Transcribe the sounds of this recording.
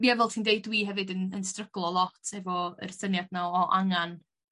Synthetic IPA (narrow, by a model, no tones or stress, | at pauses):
biɛvɔlˠtʰiːndejdwiːɦɛvɨdənənstrəɡ̥lˠɔlˠɔtʰɛvɔə̰rsənjadnaɔʔa̰ŋan